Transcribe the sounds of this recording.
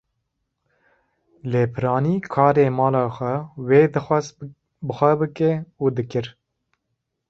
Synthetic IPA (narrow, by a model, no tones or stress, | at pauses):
leːpʰɨɾɑːniːkʰɑːɾeːmɑːlɑːxʷɛweːd̪ɨxʷɛz | bɨxʷɛbɨkɛuːd̪ɨkɨɾ